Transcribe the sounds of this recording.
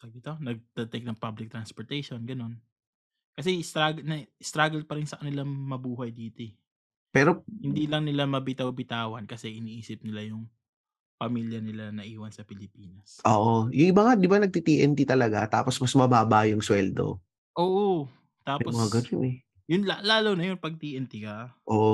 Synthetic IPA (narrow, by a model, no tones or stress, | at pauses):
sɐɡɪt̪onɐɡ̚t̪ɐt̪ɛk̚nɐŋpablɪk̚t̪ɾɐnspoɹt̪ɛjʃonɡɐno̞n | kɐs̬ɛɪst̪ɾaɡnɐst̪ɾaːɡɐl̚pɐɾɪnsɐkɐnɪlamɐbuːɦɐjd̪iːt̪o | pɛːɾohɪnd̪iːlɐŋnɪlamɐbɪt̪ɐwbɪt̪aːwɐnkɐsɛʔɪniːʔiːsɪp̚nɪlajʊŋ | pɐmiːljɐnɪlanɐʔiːwɐnsɐpɪlɪpiːnɐsʔoːʔojʊŋʔɪbɐŋad̪ɪbanɐɡ̚t̪it̪iʔɛnt̪it̪ɐlɐɡat̪a̰ːposmɐsmɐbaːbaʔjʊŋswɛld̪o̰ | ʔoːʔo | t̪aːpoɐɡɐnonɛ | jʊnlalaːlownɐjonpɐɡ̚t̪iːʔɛnt̪ikɐʔoːʔo